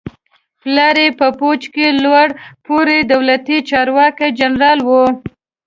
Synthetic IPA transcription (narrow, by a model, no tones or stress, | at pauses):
plɑɾepəpot͡ʃkelwaɽpoɾed̪awlat̪it͡ʃɑɾwɑkad͡ʒanɾɑlwo